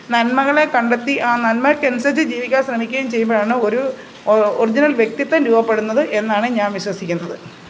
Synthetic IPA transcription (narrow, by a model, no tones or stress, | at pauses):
nɐnmɐɣɐɭe̞kɐɳɖet̪ːiʔaːnɐnmɐkensɐt͡ɕːɨd͡ʑiːʋikʲːaːnɕrɐmikʲːɐjumt͡ɕe̞jːumboːɻaːɳɨo̞ɾu | orid͡ʑinɐlʋje̞k̚t̪it̪ːɐnɾuːbɐpːe̞ɽunːɐðɨʔe̞nːaːɳɨɲaːnʋiɕwɐsikʲːunːɐðɨ